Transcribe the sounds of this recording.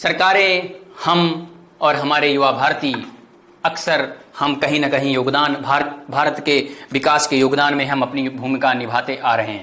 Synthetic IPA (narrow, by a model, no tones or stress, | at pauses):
sɐɾkaːɾẽhɐm | ɔːɾɦɐmaːɾejʊʋabʱaːɾt̪iː | ɐksəɾhɐmkɐɦĩnɐkɐɦĩjoːɡd̪aːnbʱaːbʱaːɾət̪keʋɪkaːskejoːɡd̪aːnmẽɦɐmɐpnibʱuːmɪkanɪbʱaːt̪eʔaːɾɐɦeɦɛ̃ː